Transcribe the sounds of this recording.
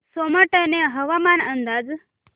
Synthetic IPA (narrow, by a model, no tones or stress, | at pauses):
soməʈəneɦəʋamanənd̪ad͡ʒ